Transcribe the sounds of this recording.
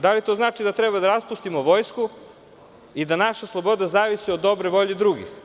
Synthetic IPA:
d̪alit̪o̞znaːt͡ʃid̪at̪ɾɛbad̪aɾaspust̪imoʋo̞jsku | id̪anaʃaslˠo̞bo̞d̪azaːʋisiod̪ːo̞bɾoʋo̞ʎed̪ɾuɡḭx

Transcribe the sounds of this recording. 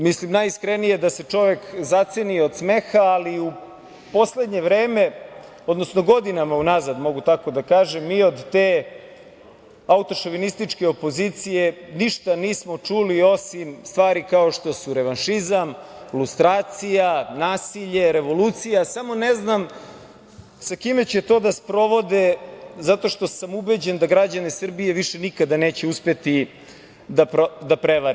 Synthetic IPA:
mislimnajskɾenije̞d̪ase̞t͡ʃo̞ʋe̞kzat̪seniod̪sme̞xaːliu | po̞sled̪ɲe̞ʋɾeːme̞ | o̞d̪no̞sno̞ɡo̞d̪inamaunazad̪mo̞ɡut̪ako̞d̪akaːʒemːiːo̞d̪t̪eː | aut̪o̞ʃoʋinist̪it͡ʃke̞opo̞zit̪sije̞niʃt̪aniːsmo̞t͡ʂulio̞simst̪ʋaːɾikao̞ʃt̪o̞suɾeʋanʃizamlust̪ɾaːt̪sijanaːsiʎe̞ɾeʋo̞luːt̪sijasamo̞neznam | sakime̞t͡ɕet̪o̞ːd̪aspɾo̞ʋo̞d̪ezat̪o̞ʃt̪o̞samubed͡ʑend̪aɡɾad͡ʑanesr̩bije̞ʋiʂenikad̪aneːt͡ɕeuspet̪i | d̪ad̪apɾeʋaɾi

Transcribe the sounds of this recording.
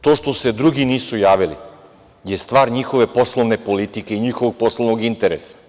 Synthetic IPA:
t̪oːʃt̪o̞sed̪ɾuɡiniːsujaːʋilḭ | jest̪ʋaːɾɲixoʋe̞po̞slˠoʋnepolit̪ikeiɲixoʋoɡ̚poslˠoʋnoɡint̪eɾesḁ

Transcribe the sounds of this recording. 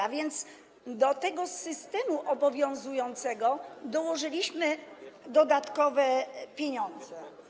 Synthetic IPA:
avʲjɛnt̪s | d̪ɔt̪ɛɡɔsɘst̪ɛmuʔɔbɔvʲjɔ̃w̃zujɔnt̪sɛɡɔd̪ɔwɔʐɘlʲiɕmɘd̪ɔd̪at̪kɔvɛpʲjeɲɔ̃nd̪zɛ

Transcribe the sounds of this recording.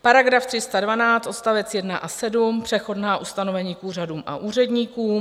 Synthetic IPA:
paɾaɡɾaft̪r̥ɪst̪advanaːt͡st̪ʔo̞t̪st̪avɛt͡sjɛdnaʔasɛdumpr̝̥ɛxo̞dnaːʔust̪ano̞vɛɲiːkuːraduːmʔa̰ʔuːr̝ɛdɲiːkuːm

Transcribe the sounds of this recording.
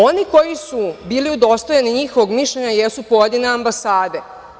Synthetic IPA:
o̞niko̞jisubiːliud̪o̞st̪ojaniɲixoʋo̞ɡmiʃʎeɲajesupo̞je̞d̪ineambasaːd̪e

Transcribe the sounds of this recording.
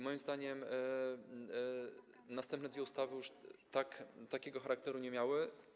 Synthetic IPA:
mɔjimzd̪aɲɛm | nast̪ɛmpnɛd̪vʲɛust̪avɘjuʂt̪akt̪akʲɛɡɔxaɾak̚t̪ɛɾuɲɛmʲjawɘ

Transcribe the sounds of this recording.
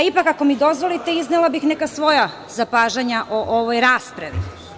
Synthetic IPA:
ipakako̞mid̪o̞zʋo̞lit̪e̞iznelˠabixnekasʋo̞ja | zapaːʒaɲaʔoʔoʋojɾaːspɾaʋḭ

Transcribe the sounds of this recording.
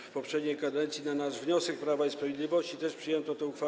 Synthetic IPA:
fpɔpʂɛd̪ɲejkad̪ɛnt̪sʲjinanaʐvɲɔsɛk̚pɾavaispɾavʲed̪lʲivɔɕt͡ɕit̪ɛʂpʂɨjɛnt̪ɔt̪ɛ̃uxfa

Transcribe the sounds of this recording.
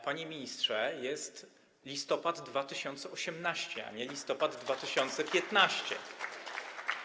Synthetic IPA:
paɲemʲiɲistʂɛjɛst̪ | lʲist̪ɔpad̪ːvat̪ɘɕɔnt̪sɛɔɕɛmnaɕt͡ɕɛa̰ɲɛlʲist̪ɔpad̪ːvat̪ɘɕɔnt̪sɛpʲjɛt̪naɕt͡ɕɛ̰

